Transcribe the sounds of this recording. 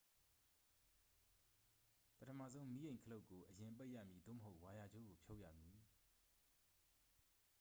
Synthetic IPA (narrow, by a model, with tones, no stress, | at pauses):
pətʰə˨mä̰˦˨zõ˦ʊ̃mi˦jẽ˨ɪ̃ŋkʰəlo˦ʊʔkːo˨ʔəjɪ̃˨mpe˦ɪʔjä̰˦˨mji˨d̪o̰˦˨məɦo˦ʊʔwa˨ja˨d͡ʑo̰˦˨ɡo˨pʰjo˦ʊʔjä̰˦˨mji˨